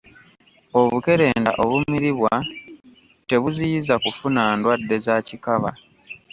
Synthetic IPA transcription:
o̞βuke̞ɾe̞ːnda̰ʔo̞βumiɾiβwa | te̞βuzijizakufunaːndwadːe̞zacikaβa̰

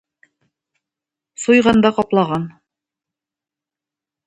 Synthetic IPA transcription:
sujʁɑnd̪ɑqɑplˠɑʁɑn

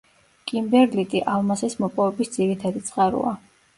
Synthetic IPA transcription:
kʼimbɛɾlit̪ʼiʔalˠmasɛsmɔpʼɔvɛbisd̪z̥iɾit̪ʰad̪it̪sʼqʼaɾṵa

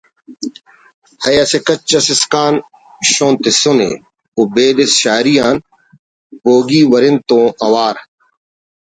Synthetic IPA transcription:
hɐjɐsekɐt͡ʃːɐsɪskaːn | ɕõːnt̪ɪsonḛ | ubeːd̪esʃaːɾijaːn | boːɡiːʋɐɾɪnt̪õːʔɐwaːɾ

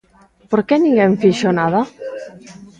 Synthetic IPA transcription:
poɾkɛnĩŋɡeɱfiʃonaða

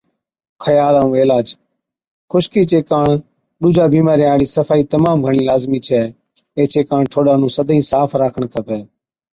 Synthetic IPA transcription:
kʰəjaːlaːũːeːlaːd͡ʒ | xʰʊʃkiːt͡ʃeːkaːɳ | ɗuːd͡ʒʱaːbiːmaːɾiːaːɽiːsəfʰaːiːt̪əmaːmɡʱəɳiːlaːzmiːt͡ʃʰɛː | eːt͡ʃeːkaːɳʈʰoːɗaːnũːsəd̪ʱĩːsaːfʰɾaːkʰəɳkʰəpɛː

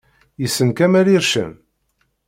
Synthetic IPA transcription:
jəsːənkæmæɾiɾʃə̰m

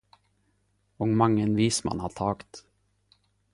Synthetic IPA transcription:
ɔŋmaŋːənviːsma̰nhaʈʰɑːkt̪

